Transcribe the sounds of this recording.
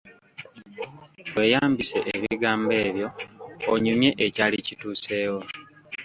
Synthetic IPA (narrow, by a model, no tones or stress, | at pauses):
we̞ːjaːmbise̞̰ʔːʔβḭɡaːmbe̞ːβjo̞oɲumje̞ʔecaːlicituːse̞ːwo